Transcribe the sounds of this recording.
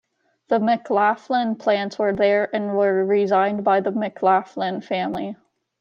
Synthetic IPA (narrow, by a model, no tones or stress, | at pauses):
ðəmɪklæflə̃npʰl̥æ̃ntswə˞ðə˞ɨ̃nwə˞ɹɪzãɪ̃nbaɪðəmɪkʰlæflɪ̃nfæ̃mli